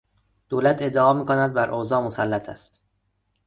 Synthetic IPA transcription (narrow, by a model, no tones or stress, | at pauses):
d̪̥oːlæt̪ʰe̞d̪ːeɒːmiːkonæd̪̚bæɾʔoːzɒːmosælːæt̪ʰæ̰st̪